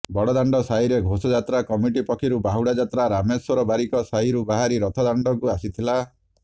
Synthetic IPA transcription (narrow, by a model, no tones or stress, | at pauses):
bɔɽɔd̪aɳɖɔsaiɾeɡʱosɔd͡ʒat̪ɾakɔmiʈipɔkʰiɾubaɦuɽad͡ʒat̪ɾaɾameswɔɾɔbaɾikɔsaɦiɾubaɦaɾiɾɔt̪ʰɔd̪aɳɖɔkuasit̪ʰila